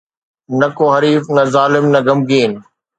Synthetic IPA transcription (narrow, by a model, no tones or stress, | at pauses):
nɐkoːɦɐɾiːfnɐzaːlɪmnɐɡɐmɡiːn